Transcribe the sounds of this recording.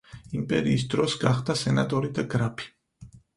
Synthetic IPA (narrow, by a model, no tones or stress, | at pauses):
impʼɛɾiːsd̪ɾɔsɡaχd̪asɛnat̪ʼɔɾid̪aɡɾapʰi̥